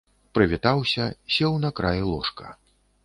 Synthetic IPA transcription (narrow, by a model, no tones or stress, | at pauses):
pɾɨvʲit̪awsʲɐsʲɛwnɐkɾajilˠɔʂkɐ̰